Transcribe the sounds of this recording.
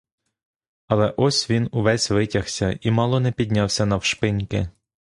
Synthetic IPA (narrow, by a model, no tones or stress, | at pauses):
ɐlˠɛʔɔsʲʋʲinuʋɛsʲʋɪtʲɐxsʲɐimɑlˠɔnɛpʲid̪ʲnʲɑwsʲɐnɐwʃpɪnʲkɪ